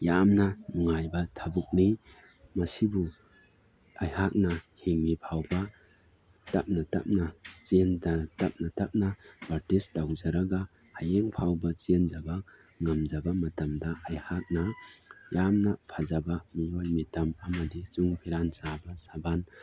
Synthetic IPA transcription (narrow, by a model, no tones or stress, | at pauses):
jamnɐnuŋajbɐtʰabuk̚ni | mɐsibu | ajhak̚nɐheŋnipʰawbɐ | tɐp̚natɐ̰p̚nɐt͡ʃenzatɐp̚natɐp̚nɐbaɾtisdawzaɾaɡa | hajeŋpʰawbɐt͡ʃend͡ʒaba | ŋɐmd͡ʒabɐmɐtɐmdɐʔajhak̚nɐjamnɐpʰazabamijojmitɐmɐmɐdizuŋpʰiɾansabɐsaban